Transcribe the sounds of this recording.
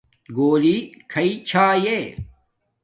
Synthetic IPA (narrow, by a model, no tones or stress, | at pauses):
ɡoːlikʰɐit͡ɕʰaːjeː